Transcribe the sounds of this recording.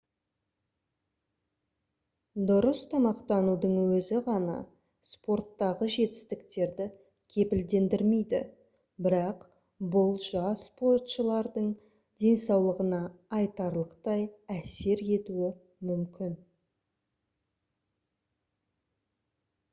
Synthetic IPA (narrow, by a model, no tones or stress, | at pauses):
d̪ʊɾəst̪ʰɑmɑqt̪ɑnud̪əɴwɵzɪʁɑnɑ̰ | spo̞ɾt̪ːɑʁəʒe̞t̪ɪ̥st̪ɪkt̪e̞ɾd̪ɪ | kʲʰe̞pɪld̪e̞nd̪ɪɾme̞jd̪ɪ̰ | bɪɾɑq | bʊlˠʒɑspo̞rt̪ʃəlˠɑɾd̪əɴ | d̪̥ʲe̞nsɑwlˠəʁənɑːjt̪ɑɾlˠəqt̪ɑjæse̞ɾe̞t̪uɪ | mʏmkʲɪn